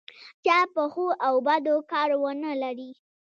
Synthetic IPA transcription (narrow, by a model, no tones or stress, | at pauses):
t͡ʃɑpəxuawbad̪okɑɾwənəlaɾi